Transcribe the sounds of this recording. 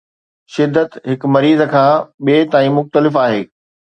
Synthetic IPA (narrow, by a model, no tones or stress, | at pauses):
ʃɪd̪ʱːət̪ɦɪk̆mɐɾiːzə̆kʰãːɓieːt̪aːĩmʊxt̪əlɪfaːɦeː